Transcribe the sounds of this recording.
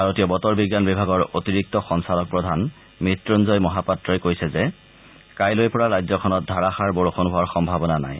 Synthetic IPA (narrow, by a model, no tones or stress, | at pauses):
bʱaɹotijɔbɔtɔɹbiɡːanbibʱaɡɔɹotiɹik̚tɔxɔŋsalɔk̚pɹɔdʱan | mitɹunzɔjmɔɦapatːɹɔjkojsɛzɛ | kajlojpɔɹaɹajzɔkʰɔnɔt̚dʱaɹaxaɹboɹoxonbuwaɹxɔmbʱabɔnana̰j